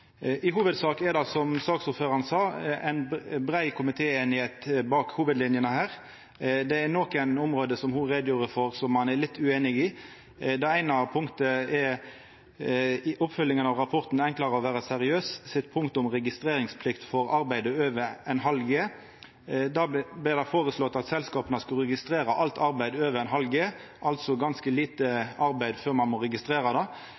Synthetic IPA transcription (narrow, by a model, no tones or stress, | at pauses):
ʔɪɦuːʋəd̪sɑːkɛɾd̪ɑsɔmsɑːksʊɾføːɾɑɾnsɑːæɪnbɾæɪkʰʊmɪt̪ʰeːeːnɪheːt̪bɑːkhuːʋəd̪lɪnjənəhæːɾ | d̪ɛæɾnɔkæɪnʊmʁoːd̪əsɔmhʊɾeːd̪juːɾəfɔɾsɔmːɑnɛlɪt̪ʰːʉeːnɪɡɪ | d̪ɑæɪnɑpʰʊŋkt̪əɛɾ | ʔʊpfœlːɪŋənɑʋʁɑpʰɔɾt̪n̩ænŋklɑɾəɔʋæːɾəsɛɾɪøːssɪt̪pʰʊŋkt̪ʊmɾɛɡɪst̪ɾeːɾɪŋspʰlɪkt̪fɔɾɑɾbæɪd̪əøːʋəɛnɦɑlɡeː | d̪ɑːb̪ɪɾd̪æɪfoːɾəslɔt̪ːɑt̪sɛlskɑːpənəskɑlɾɛɡɪst̪ɾeːɾɑʔɑlt̪ɑɾbæɪd̪øːʋəɾɛɪnɦɑlɡeː | ʔɑlt̪sɔɡɑnskəliːt̪əɑɾbæɪd̪føːɾmɑnmɔɾɛɡɪst̪ɾeːɾɑd̪ɑ